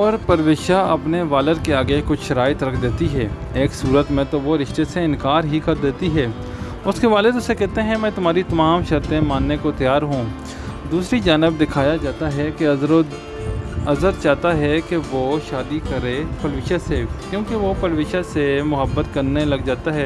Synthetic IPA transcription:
ɔːɾpɐɾʋɪʃaɐpneʋaːləɾkeaːɡekʊt͡ʃʃɐɾaːɪt̪ɾɐkʰd̪eːt̪iɦɛː | eːksuːɾət̪mẽt̪oʋoɾɪʃt̪eseɪ̃nkaːɾɦikɐɾd̪eːt̪iɦɛː | ʊskeʋaːlɪd̪ʊsekɛɦt̪eɦɛ̃mɛ̃ːt̪ʊmɦaːɾit̪ɐmaːmʃɐɾt̪ẽmaːnːekot̪ɐjaːɾɦũː | d̪uːsɾid͡ʒaːnɪb̚d̪ɪkʰaːjad͡ʒaːt̪aɦɛke | ɐzəɾt͡ʃaːɦt̪aɦɛkeʋoʃaːd̪ikɐɾẽpɐɾʋɪʃasekjõːkeʋopɐɾʋɪːʃasemʊɦəbːət̪kɐɾnelɐɡd͡ʒaːt̪aɦɛː

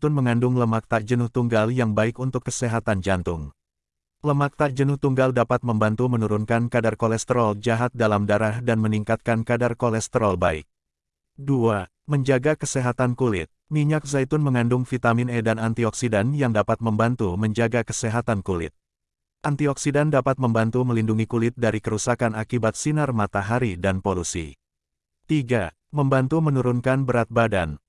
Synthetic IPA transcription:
t̪ʊnməŋandʊŋləmak̚t̪aʔd͡ʒənʊht̪uŋɡaljaŋbaɪkunt̪ʊkːəseɦat̪and͡ʒant̪ʊŋ | ləmak̚t̪aʔd͡ʒənʊht̪uŋɡaldapat̪̚məmbant̪umənuɾunkankadarkɔlɛst̪əɾɔld͡ʒaɦat̪̚dalamdaɾahdanməniŋkat̪̚kankadarkɔlɛst̪əɾɔlba̰ɪ̰k̚ | dua | məɲd͡ʒaɡakəseɦat̪ankulɪ̰t̪̚miɲak̚zajt̪unməŋandʊŋfit̪aminedanant̪iɔksidanjaŋdapat̪̚məmbant̪uməɲd͡ʒaɡakəsɛɦat̪ankulɪ̰t̪̚ | ʔant̪iɔksidandapat̪̚məmbant̪uməlinduŋikulɪt̪̚daɾikəɾusakanakibat̪̚sinarmat̪aɦaɾidanpolusḭ | t̪iɡa | məmbant̪umənuɾunkanbəɾat̪̚bada̰n

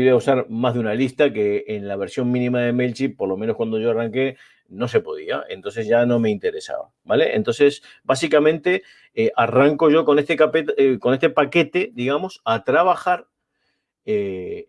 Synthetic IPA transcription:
iβeausaɾmazðeunalist̪akeːnlaβ̞e̞ɾsjo̞ŋmĩnĩmaðe̞melt͡ʃipo̞ɾlo̞meno̞skwand̪o̞ʒo̞araŋke̞ | no̞se̞po̞ðia̰e̞̰nt̪o̞ns̬e̞zʒano̞me̞int̪e̞ɾe̞sa̰βa̰baleʔḛnt̪o̞nse̞s | basikamẽ̞nt̪e̞ | eʔaraŋko̞ʒo̞ko̞nest̪ekapeko̞ne̞st̪epake̞t̪e̞ðiɣamo̞sat̪ɾaβaxaɾ | e

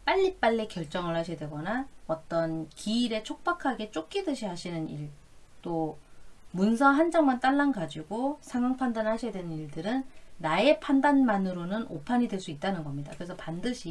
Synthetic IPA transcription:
p͈aʎːip͈aʎːikjʌɭt͡ɕ͈ʌŋɯɭhaɕʰijadwe̞ɡʌnaʌt͈ʌnkiːɾe̞t͡ɕʰok̚p͈akʰaɡe̞t͡ɕ͈ok̚k͈idɯɕʰiɦaɕʰinɯniɭ | t͈o | munsʰʌɦand͡ʑaŋmant͈aɭːanɡad͡ʑiɡosʰaŋaŋpʰandanɦaɕʰijadwe̞nɯniɭdɯɾɯnːae̞pʰandanmanɯɾonɯnopʰaɲidwe̞ɭs͈uit̚t͈anɯnɡʌmɲida̰kɯɾe̞sʰʌpandɯɕʰi

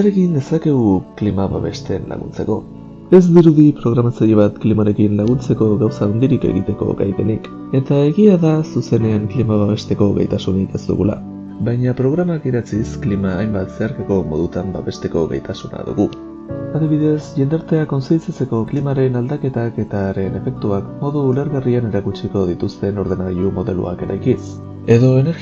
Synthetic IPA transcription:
aɾe̞kind̪e̞sake̞ɣuklimaβa̰βe̞̰st̪enla̰ɣ̞ṵnt͡se̞̰ko̞ | e̞zd̪iɾuðipɾo̞ɣ̞ɾamat͡saɾiβ̞at̪klimaɾe̞kinlaɣ̞unt͡se̞ko̞ɣawsaond̪iɾike̞̰ɣḭt̪e̞ko̞̰ɣa̰jpe̞̰nik | e̞t̪ae̞ɣiaðasuse̞ne̞aŋklimaβaβe̞st̪e̞ko̞ɣejt̪asunike̞st̪ṵɣṵla̰ | βajɲapɾo̞ɣ̞ɾamakiɾat͡sisklimaːjmbat̪se̞aɾkako̞mo̞ðut̪amba̰βe̞st̪e̞ko̞̰ɣḛjt̪asuna̰ðṵɣu | aðiβ̞iðe̞sʝe̞nd̪aɾt̪e̞ako̞nsit͡sat͡se̞ko̞klimaɾe̞nald̪ake̞t̪ake̞t̪aɾe̞ne̞fe̞k̚t̪uakmo̞ðuːle̞ɾɣariane̞ɾakut͡ʃiko̞ð̞it̪ust̪e̞no̞ɾð̞e̞naɣiʎumo̞ðe̞̰lṵa̰ke̞ɾa̰jkis | e̞ðo̞ene̞ɾɣ

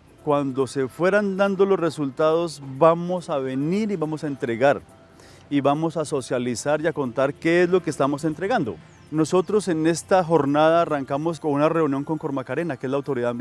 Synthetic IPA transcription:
kwand̪o̞se̞fwe̞ɾand̪and̪o̞losre̞sult̪aðo̞zbamo̞saβe̞niɾiβamo̞saent̪ɾe̞ɣaɾ | iβamo̞saso̞sjalisaɾjako̞nt̪aɾke̞ezlo̞keːst̪amo̞se̞nt̪ɾe̞ɣand̪o̞ | no̞so̞t̪ɾo̞se̞ne̞st̪axo̞ɾnaðaːraŋkamo̞skounare̞unjoŋko̞ŋko̞ɾmakaɾe̞nakeezlawt̪o̞ɾiðamb

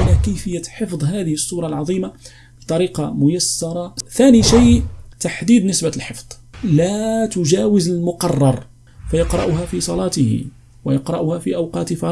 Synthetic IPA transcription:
lækəjfəjːaħəfd̪ˤɦæd̪əhəsˤːuːɾˤɑlʕɑðˤiːma | bi̥t̪ˤɑɾiːqɑmʊjəsːɑɾˤɑt̪æːniʃijt̪aħd̪iːd̪nəsbalħəfd̪̥ˤ | læt̪ʊʒæːwɪzəlmʊqɑrˤːɑɾˤ | fæjɑqɾˤɑ̰ʔʊɦafisˤɑlɑːt̪əh | wəjɑqɾˤɑʔʊhæfiʔawqɑːt̪fɑ

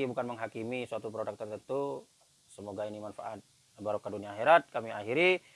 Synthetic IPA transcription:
ibukanməŋɦakimisuat̪upɾodak̚t̪ərt̪ənt̪u | səmoɡainimanfa̰ʔat̪̚ | baɾukaduniaːxeɾat̪̚kamiaɦiɾi

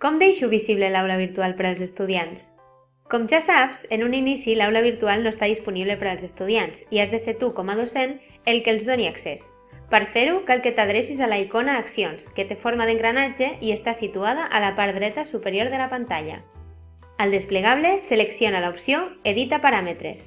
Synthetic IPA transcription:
kɔmd̪ejʃuβiziβlelawlaβ̞iɾt̪ualˠpeɾalˠzest̪uðjans | kɔmʒasapz̥enuninisilawlaβ̞iɾt̪ualˠnoest̪aðispuniβlepeɾalˠzest̪uð̞iansiazðeseɾt̪ukɔmað̞osen | elˠkelˠzðoniakses | pəɾfeɾukalket̪að̞ɾesizalaikonaːksionsket̪efoɾmaðeŋɡɾanad͡ʒeʔiest̪asit̪uað̞aʔalapaɾðɾɛt̪asupeɾjoɾðəlapant̪aʎa̰ | alˠd̪espleɣaβleseleksjonalaupsjoeðit̪apaɾamet̪ɾḛs

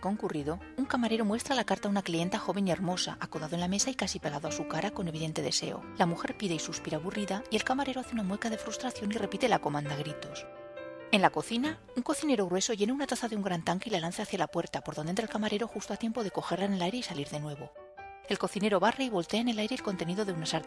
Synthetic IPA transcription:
ko̞ŋkuriðo̞ | uŋkamaɾe̞ɾo̞mwe̞st̪ɾalakaɾt̪aðunaklie̞nt̪axo̞βe̞nie̞ɾmo̞saʔakoðaðo̞enlame̞saikasipeɣ̞aðoasukaɾako̞ne̞β̞iðe̞nt̪e̞ðe̞̰se̞̰o̰lamuxe̞ɾpiðe̞isuspiɾaβuriðaie̞lkamaɾe̞ɾo̞aθeunamwe̞kaðe̞fɾust̪ɾaθjo̞nire̞pit̪elako̞mãnd̪aɣ̞ɾit̪o̞s | e̞nlako̞θina | uŋko̞θine̞ɾo̞ɣɾwe̞so̞ʝe̞neunat̪aθaðeuŋɡɾant̪aŋkeilalanθaːθjalapwe̞ɾt̪apoɾðonent̪ɾalkamaɾeɾo̞xust̪o̞at̪je̞mpo̞ðe̞ko̞xe̞ɾlaenelajɾe̞isaliɾðe̞nwe̞βo | e̞lko̞θine̞ɾo̞βareiβo̞lt̪e̞aene̞lajɾe̞ːlko̞nt̪e̞niðo̞ðe̞unasaɾt̪

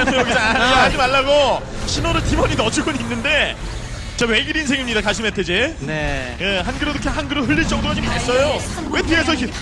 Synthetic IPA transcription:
jʌɡisaɡaad͡ʑimaɭːaɡo | ɕʰinoɾɯɭtimʌɲinʌt͡ɕʰɯɡɯninːɯnde̞ | t͡ɕawe̞ɡiɾinsʰe̞ŋimɲidakaɕʰimetʰed͡ʑene | eɦanɡɯɾɯɾokʰeɦanɡɯɾoɦɯʎːiɭt͡ɕ͈ʌŋ̚doʌd͡ʑimmaɭs͈ʌjowe̞tʰɯes̬ʰʌi

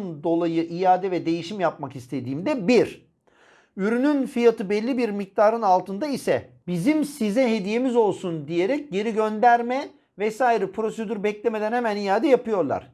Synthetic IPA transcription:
nd̪o̞lˠajɯʔijaːd̪ɛvɛd̪e̞jiʃimjap̚makist̪ʰe̞d̪iːmd̪ɛbiɾ | yɾynynfijat̪ɯbɛlʲːibiɾmik̚t̪ʰaːɾɯnalˠt̪ʰɯnd̪aisɛbizimsizɛɦe̞d̪ije̞mizo̞lˠsund̪ije̞ɾɛc̚ɟe̞ɾiɟønd̪æɾmɛ | vɛsaːiɾɛpʰɾo̞sed̪yɾbɛclʲemed̪ænhemænijaːd̪ɛjapɯjo̞ɾlˠa̰ɾ̝̥

